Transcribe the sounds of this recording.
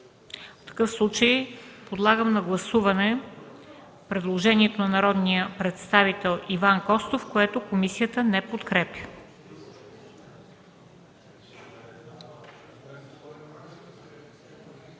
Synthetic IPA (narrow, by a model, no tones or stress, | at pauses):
ft̪ɐ̥kɤfslˠut͡ʃəjpod̪lˠaɡəmnɐɡlˠɐsuvɐnɛ | pɾɛd̪lˠoʒɛniɛt̪onɐnɐɾɔd̪nijəpɾɛt̪st̪avit̪ɛlˠivankɔst̪ofkoɛt̪okomisijət̪ənɛpot̪kɾɛpjə̥